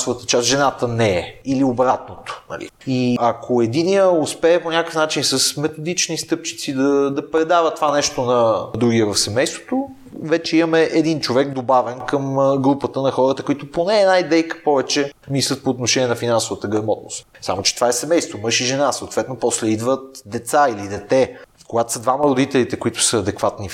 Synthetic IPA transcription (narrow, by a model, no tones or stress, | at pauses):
sʊvət̪ət͡ʃast̪ʒɛnat̪ənɛɛiliobɾat̪̚not̪o̥nɐ̰lḭiɐkʰoɛd̪iniəospɛːponʲakəfnat͡ʃinsɐsmɛt̪od̪it͡ʃnist̪ɤp̚t͡ʃi̥t̪sid̪ɐd̪ɐpɾɛd̪avət̪ovanɛʃt̪onɐd̪ɾuɡiɛvɐfsɛmɛjst̪vot̪o | vɛt͡ʃɛimɐmɛʔɛd̪int͡ʃovɛkd̪obavɛnkəmɡɾupət̪ənɐxɔɾət̪əkʊit̪ʊponɛːnaid̪ɛjkə̥pɔvɛt͡ʃɛmislˠət̪̚poːt̪noʃɛnʲiɛnɐfinansovət̪əɡɾɐmɔt̪no̰st̪sa̰mot͡ʃɛ̥t̪vaɛsɛmɛjst̪vomɤʃiʒɛnasoot̪vɛt̪nopɔslɛid̪vət̪̚d̪ɛt̪sailid̪ɛt̪ɛ | koɡat̪o̥səd̪vamɐɾod̪it̪ɛlit̪ɛkoit̪ʊ̥səɐd̪ɛkvat̪ni